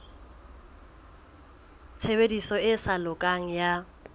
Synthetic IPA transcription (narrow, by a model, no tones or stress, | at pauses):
t͡sʰebedisɔɪsalʊkʼaŋ̩ja